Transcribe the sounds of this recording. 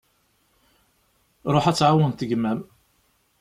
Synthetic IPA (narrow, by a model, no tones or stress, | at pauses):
ɾˤoħæt͡sːʕawənt̪əɡmæm